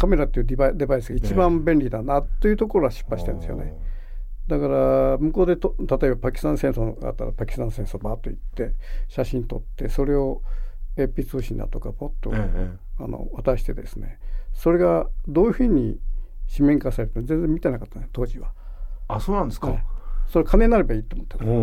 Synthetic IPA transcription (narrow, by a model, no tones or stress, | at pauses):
kame̞ɾat̪ːeiɯd̪ebad̪e̞baisɨɡait͡ɕibãmbẽ̞nɾʲid̪anat̪ːo̞jiɯ̟t̪o̞ko̞ɾoɡaɕi̥pːaɕi̥t̪ãnd̪esɨjo̰ne | d̪akaɾamɯ̟ko̞ːd̪e̞t̪ot̪at̪o̞e̞bapakʲi̥st̪ãsẽ̞ɰ̃soɡa̰t̪ːaɾapakʲi̥st̪ãnsẽsoːbat̪ːo̞it̪ːe̞ɕaɕĩnt̪o̞t̪ːe̞so̞ɾe̞o̞epʲit͡sɨːɕĩnd̪a̰t̪o̞kabot̪ːo | a̰no̰βat̪aɕi̥t̪e̞d̪e̞̰sɨneso̞ɾe̞ɡad̪o̞ːjɯ̟ɸɯ̟ɲ̟iɕimẽ̞ŋkasaɾe̞ɾɯ̟t̪ozẽnd͡zemʲit̪e̞nakḁt̪ːanjt̪o̞ːd͡ʑiβa | asoːnãnd̪eskeso̞ɾekʰanẽ̞nːaɾe̞baiːt̪oːmot̪ːan